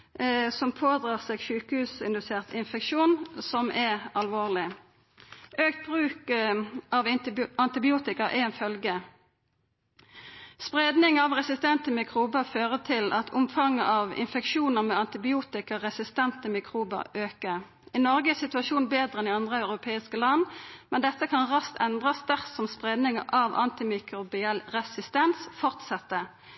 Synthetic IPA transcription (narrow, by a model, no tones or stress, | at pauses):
sɔmpʰoːd̪ʁɑːʁseːɡʃʉːkəhʉːsɪnd̪ʉseːʁt̪ʰɪnfɛkʃuːnsɔmʔɛʁɑlʋoːʁlɪ | ʔøːkt̪̚b̥ʁʉːk | ɑʋɑnt̪ɪbɪuːt̪ɪkəʔɛ̰ɛnfœlɡə | spʁeːd̪nɪŋɑʋʁɛsɪst̪ɛnt̪əmɪkʰʁuːbəʁføːʁət̪ʰɪlʔɑt̪ʰʊmfɑŋːəʔɑʋɪ̰nfɛkʃuːnəʁmɛːɑnt̪ɪbɪuːt̪ɪkəʁɛsɪst̪ɛnt̪əmɪkʰʁuːbə̰ʁøːkəʁ | inɔʁɡəsɪt̪ʉɑʃuːnbeːd̪ʁəɛnɪɑnd̪ʁəɑʉʁʊpʰeːɪskəlɑnːmɛnd̪ɛt̪ːəkʰɑnʁɑst̪ʰɛnd̪ʁɑsd̪æʁsɔmspʁeːd̪nɪŋəʔɑʋʔɑ̰nt̪ɪmɪkʁʊbɪɛlʁɛsɪst̪ɛnsfɔʁt̪sɛt̪ːə